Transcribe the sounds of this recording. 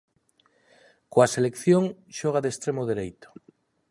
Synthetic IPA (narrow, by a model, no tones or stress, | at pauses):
koaselekθjoŋʃɔɣ̞aðest̪ɾemoðeɾejt̪o̥